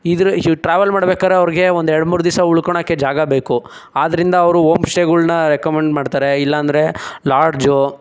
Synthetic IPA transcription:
id̪ɾuʈɾaːʋɐlmaːɽbeːkad̪ɾeɐʋɾiɡe̞ond̪ɛɾɐɽmuːɾud̪isɐuɭkoɳakːed͡ʒaːɡɐbe̞ːku | aːd̪ɐɾind̪ɐːʋɾuomsʈeːɡuɭnɐɾekɐmeɳɖmaːɖt̪aːɾe̞ilːɐːnd̪ɐɾe̞laːɾɖd͡ʒo

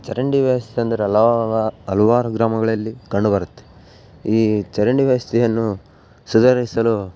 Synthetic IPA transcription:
t͡ʃɐɾɐɳɖiʋɐʋɐst̪ʰiɐnd̪ɐɾeɐlaɐluʋaːɾuɡɾaːmɐɡɐɭɐlːikɐɳɖubɐɾut̪ːe̥ | iːt͡ʃɐɾɐɳɖiʋɐʋɐst̪ʰijɐnːu | sud̪ɐɾisɐlu

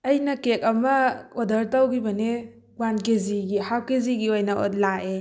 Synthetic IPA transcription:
ɐjnɐkek̚ɐmɐodɐɾtawɡibɐne | wankeziɡihawkeziɡiojnɐo̰tlaʔe

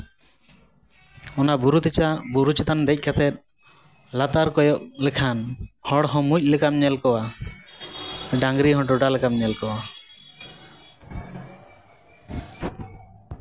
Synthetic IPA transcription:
ɔnabuɾut̪t͡ʃabuɾut͡ʃat̪and̪ɛc̚ˀkʰat̪ʰɛt̪̚ˀ | lat̪aɾkɔjɔʔ̚lɛkʰanhɔ̃ɽɦɔ̃muc̚ˀlɛkamɲɛlkɔwa | ɖaŋɡɾiɦɔ̃ʈɔɖalɛkamɲɛlkɔwa

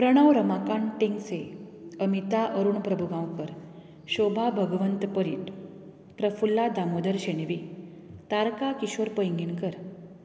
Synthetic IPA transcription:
pɾəɽ̃əʋɾəmakaɳʈiŋɡseəmit̪aʔəɾuɳpɾəbʱuɡãwkəɾ | ɕobʱabʱəɡʋənt̪pəɾiːʈ | pɾəfulːad̪ʱamod̪əɾɕeñeʋi | t̪aɾkakiɕoɾpəjŋɡinkəɾ

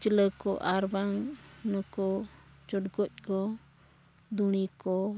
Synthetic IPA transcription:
t͡ʃələkɔ̰ʔaɾbaŋnəkɔt͡ʃɔʈɡɔc̚kɔ | d̪uɽ̃ikɔ

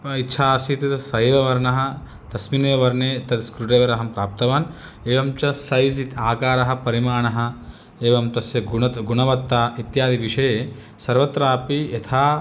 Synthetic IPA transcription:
pɐit̪ːʃʰaːsiːt̪it̪sɐjeʋɐʋɐɾnɐɦɐ̆ | t̪ɐsmineːɐʋɐɾneːt̪ɐd̪skɾuʈeːʋɐɾɐɦɐmpɾaːp̚t̪ɐʋaːn | eːʋɐmt͡ʃɐsɐjzit̪aːkaːɾɐɦɐ̆pɐɾimaːɳɐɦɐ̆ | eːʋɐmt̪ɐsjɐɡunɐt̪ɡuɳɐʋɐt̪ːaːit̪jaːd̪iʋiʂɐjeː | sɐɾʋɐt̪ɾaːpijɐt̪ʰaː

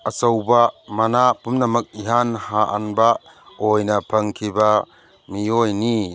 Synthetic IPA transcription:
ɐsɐwbamɐnapumnɐmɐk̚iɦanhaʔɐnba | ojnɐpʰɐŋkʰibɐ | mijojni

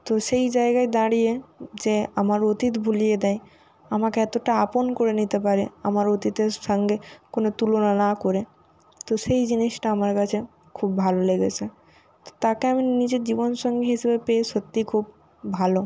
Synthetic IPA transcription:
t̪oʃejd͡ʑaeɡaed̪aɽied͡ʑeamaɾot̪it̪bʱulijed̪ɛj | amakeɛt̪oʈaaponkoɾenit̪epaɾeamaɾot̪it̪eɾʃɔŋɡekonot̪ulonanakoɾe | t̪oʃejd͡ʑiniʃʈaamaɾkat͡ɕʰe | kʰubːʱaloleɡet͡ɕʰe | t̪o̥t̪akeaminid͡ʑed͡ʑibonʃɔŋɡeɦiʃebepeeʃot̪ːikʰub | bʱalo

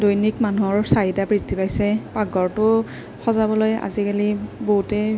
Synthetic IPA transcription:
dojnikmanuɔɹsaɦidapɹidʰʱipajsɛpaɡɔɹtʊ | xɔzabɔloja̰zikaliboɦutɛ

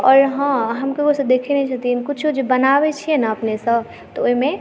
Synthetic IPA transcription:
ɔːɾɦãɦəmkeosə̃d̪ekʰinɛt͡ʃʰət̪iinkut͡ʃʰod͡ʒebənaʋet͡ʃʰiɛnaəpnesə̃b | t̪ɔoimẽ

